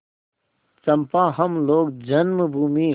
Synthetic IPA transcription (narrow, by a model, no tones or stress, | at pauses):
t͡ɕɐmpãːɦɐmloːɡd͡ʑɐnmbʱuːmiː